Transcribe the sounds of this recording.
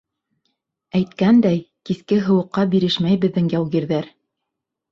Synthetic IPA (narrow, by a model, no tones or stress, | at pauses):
æjt̪kænd̪æjkiskɘɦɤ̆wɤ̆qːɑbiɾɘʃmæjbɘ̆ðːɘŋjæwɣiɾðæɾ